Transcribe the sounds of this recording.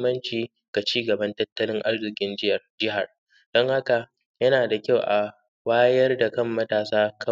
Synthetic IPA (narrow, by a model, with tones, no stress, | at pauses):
mːɐ˦nt͡ʃiː˨ | ɡ̥a˨t͡ʃiː˦ɡɐ˨bɐ˦ntɐ˦tːɐ˦lɪ˦ŋʔa˦rzɪ˨kʲɪ˦nd͡ʒɪ˦jɐ˨rd͡ʒɪ˦ɦa˨r | d̥ɔ˦ŋha˦ka˨ | jɐ˦naː˨da˨kʲa˦˨wʔa˨ | waː˦jɐ˦rda˨kɐ˦˨mːɐ˦taː˨saː˦kʰɐ˦